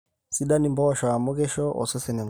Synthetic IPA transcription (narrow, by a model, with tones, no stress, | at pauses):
si˦ɗa˦ni˨mbɔ˦ʃɔ˨a˨mo˦kɛ˦ʃɔ˦ʔɔ̰˨sɔ˦sɛ˨nɛ˨ŋ